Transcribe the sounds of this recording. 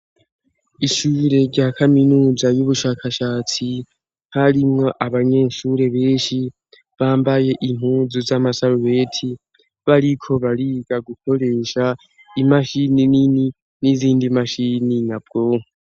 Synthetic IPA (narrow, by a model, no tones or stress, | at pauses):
iʃuːɾe̞ɾɟakʰaminuːzajuβuʃaːkʰaʃaːt͡si | haɾimŋo̞ʔaβaɲe̞ʃuːɾe̞βe̞ːnʃi | βaːmbaje̞ʔim̥uːzuzamasaluwe̞tʰi | βaɾikʰo̞βaɾiɡaɡukʰo̞ɾe̞ːʃa | imaʃininini | niziːndimaʃininab̚ɡo̞ːŋe